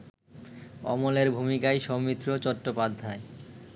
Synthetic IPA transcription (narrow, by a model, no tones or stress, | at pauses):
ɔ̰moleɾbʱumikajʃɔmit̪ːɾot͡ɕɔʈːopad̪ʱːae